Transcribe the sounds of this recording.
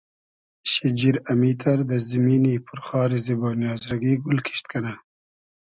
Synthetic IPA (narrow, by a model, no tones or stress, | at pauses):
ɕid͡ʑiɾɐmiːt̪ʰɐɾd̪əziminipʰuɾχɑːɾiziboːnjɑːzɾɐɡiːɡulkʰi̥ɕt̪̚kʰɐna